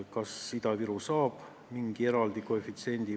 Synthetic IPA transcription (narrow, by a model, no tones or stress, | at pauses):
kɑsːid̪ɑviɾusɑːb̥ | miŋɡ̥ie̞ɾɑld̪̥ikoefit̪sie̞nʲd̪̥i